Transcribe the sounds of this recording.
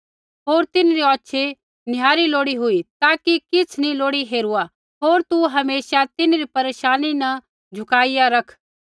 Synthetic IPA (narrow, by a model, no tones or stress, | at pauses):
ɦoːɾt̪ɪnɾiɔːʃʰe | njaːɾiloːɽiɦʊit̪aːkikɪt͡sʰnĩloːɽiɦeːɾua | ɦoːɾt̪uɦɐmeːsat̪ɪnɾipɐɾeːʃaːninɐ | d͡ʒʱʊkaːijaɾɐkʰ